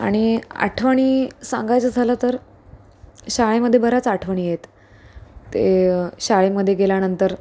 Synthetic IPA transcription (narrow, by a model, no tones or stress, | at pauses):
a̰ɽ̃ia̰ʈʰʋəɳ̃iːsãŋɡajt͡səːd͡zʱalət̪əɾ | ɕaɭeməd̪ʱːjebəɾat͡saʈʰʋəɳ̃iːjet̪ː | ḛɕaɭeməd̪ʱːjeɡeljanənt̪əɾ